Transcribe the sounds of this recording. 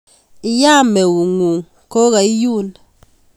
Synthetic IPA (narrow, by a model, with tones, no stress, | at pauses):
i˦ja˦me˨wu˨ŋu˨ŋ | ko˦ɣa˨i˦ju˦˨n